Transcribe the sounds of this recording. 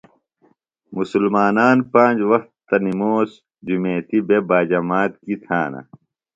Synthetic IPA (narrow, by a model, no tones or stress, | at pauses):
musulmaːnaːnpãːd͡ʑwɐxt̪ːɐnimoːs | d͡ʑumeːt̪ibebaːd͡ʑɐmaːt̪kit̪ʰa̰ːnɐ̰